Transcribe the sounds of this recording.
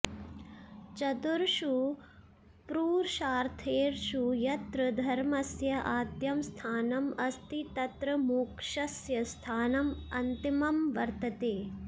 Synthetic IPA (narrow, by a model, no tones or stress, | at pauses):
t͡ʃɐt̪uɾʃu | pɾuːɾʃaːɾt̪ʰeːɾʃujɐt̪ɾɐd̪ʱɐɾmɐsjɐʔaːt̪jɐmst̪ʰaːnɐmɐst̪it̪ɐt̪ɾɐmuːkʂɐsjɐst̪ʰaːnɐmɐnt̪imɐmʋɐɾt̪ɐt̪eː